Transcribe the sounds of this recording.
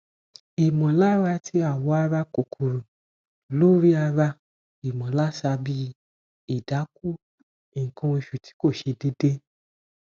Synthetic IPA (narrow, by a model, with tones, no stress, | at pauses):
i˨mɔ̃˨la˦ɾa˧tʰi˧a˨wɔ˨˦a˧ɾa˧ko˨kʰu˨ɾũ˨ | lu˦ɾi˦a˧ɾa˧ | i˨mɔ̃˨la˦sa˧bi˦˧ | i˨da˨˦k̚u˦ | i˨ŋ̩˨kɔ̃˧i˧ʃu˨tʰi̥˨˦ko˦˨ʃe˧de˧˦de˦